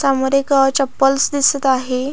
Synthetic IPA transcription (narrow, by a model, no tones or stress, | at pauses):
samoɾekət͡ɕəpːəlsd̪isət̪aɦe